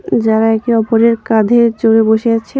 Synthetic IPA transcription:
d͡ʑaɾaɛk̚ʈiɔpoɾeɾkad̪ʱeɾd͡ʑoɾeboʃeat͡ɕʰe

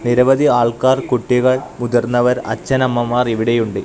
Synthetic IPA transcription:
niɾɐʋɐðiaːɭkaːrkuʈːiɣɐɭmud̪ɐrnːɐʋɐɾɐ̰t͡ɕːɐnɐmːɐmaːriʋiɽejuɳɖɨ

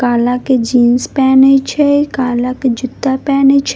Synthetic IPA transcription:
kaːlaked͡ʒĩːnspɛːnet͡ʃʰɛkaːlaked͡ʒʊt̪ːapɛːnet͡ʃʰ

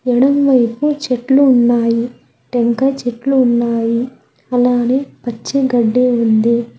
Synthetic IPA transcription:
ɛɽɐmʋɐjput͡ʃeʈluːnːaːji | ʈeŋkɐt͡ʃeʈluːnːaːji | ɐlaːneːpɐt͡ʃːiɡɐɖːeːund̪i

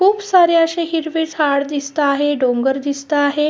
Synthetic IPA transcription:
kʰuːbsaɾeəɕeɦiɾʋet͡sɦaɽd̪ist̪aːɦeɖoŋɡəɾd̪ist̪aːɦe

